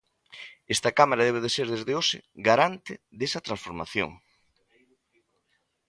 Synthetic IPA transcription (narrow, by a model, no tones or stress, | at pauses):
est̪ɐkamaɾaðeβeðeseɾðezðeoʃɪ̰ɡaɾant̪ɪðesɐt̪ɾãsfoɾma̰θjo̰ŋ